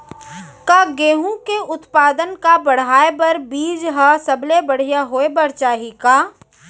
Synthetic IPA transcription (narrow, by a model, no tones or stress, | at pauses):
kaːɡeːɦũkeʊt̪paːd̪ənkabɐɽ̤aːebɐɾbiːd͡ʒɦasɐblebɐɽ̤ijaɦoːebɐɾt͡ʃaːɦikaː